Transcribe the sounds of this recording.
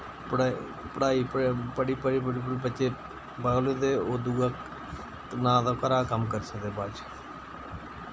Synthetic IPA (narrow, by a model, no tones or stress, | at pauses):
pəɽa | pəɽaːiːppəɽiːpəɽiːpəɽiːpəɽibətːt͡ʃeː | baːɡleːd̪eːoːd̪uɡaːk | nãːd̪akəɾaːkəmkəɾsəkd̪eːbaːd͡ʒ